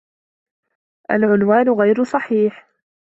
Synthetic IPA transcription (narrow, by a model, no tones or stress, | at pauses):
ʔalʕʊnwaːnʊɣajɾʊsˤɑħiːħ